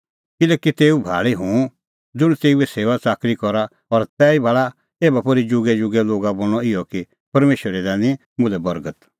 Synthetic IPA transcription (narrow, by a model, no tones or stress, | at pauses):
kɪlɛːkit̪eːubʱa̰ːɭiɦũ | d͡zʊɽ̃t̪eːuɛseːʋat͡saːkɾikɔɾa | ɔɾt̪ɛːibʱaːɭa | eːbapoːɾid͡ʒʊɡɛd͡ʒʊɡɛloːɡabõɔɪjɔki | pɐɾmeːʃəɾɛd̪ɛːnĩ | mʊ̃lɛbɐɾɡət̪